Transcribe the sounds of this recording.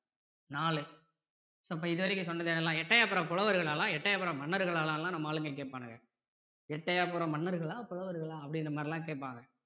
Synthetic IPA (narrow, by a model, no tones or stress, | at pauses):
naːɭɯ | soːɐp̬ːɐɪðɯʋɐɾɪkːɯ̃sɔnːɐðeːnːɛlːãːɛʈːɐjaːpːɯɾɐ̃ːpɔɻɐʋɐɾɣɐɭaːlãːɛʈːɐjaːpːɐɾɐ̃mɐɳːɐɾɯɣɐɭaːlãːlãːnɐmːɐaːɭɯŋɡɐk̬eːʈ̚paːnɐŋɡɐ | ɛʈːɐjaːpɯɾõːmɐnːɐɾɣɐɭaːpɔɻɐʋɐɾɣɐɭaːɐpːɐɽɪnrɐmaːd̪ɾɪlãːk̬eːʈ̚pːaːŋɡɐ